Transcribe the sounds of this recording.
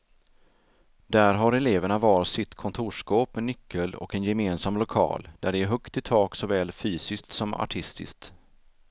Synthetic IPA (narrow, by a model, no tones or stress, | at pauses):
d̪æɾɦaɾɛleːvəɳavɑːɾsɪt̪kʰɔnt̪ʰuːʂkoːpmɛnʏkʰːəlɔ̰kɛnjɛmeːnsamlʊkʰɑ̰ːld̪̥æɖɛæɾɦɵkt̪ɪt̪ʰɑːksɔvɛːlfyːsɪsk̚t̪sɔma̰ʈʰɪst̪ɪ̰skt̪